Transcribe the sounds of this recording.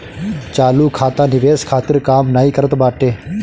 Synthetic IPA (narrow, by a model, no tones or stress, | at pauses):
t͡ʃaːluːkʰaːt̪ãːnɪʋeːskʰaːt̪ɪɾkaːmnaːikəɾət̪baːʈeː